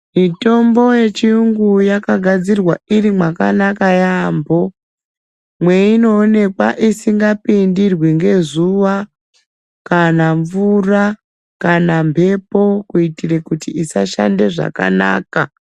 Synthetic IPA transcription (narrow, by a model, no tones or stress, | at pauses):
mito̞mbo̞je̞t͡ʃiuŋɡujakaɡʱad͡zirwaiɾimwaka̰nakajaːmbo̞ | mwe̞ino̞ːne̞kwa̰ʔisiŋɡapindirwiŋɡe̞zuʋa | kanaɱvura | kanampʰe̞po̞kuitire̞kutiisaʃa̰nde̞ʐa̰ka̰na̰ːka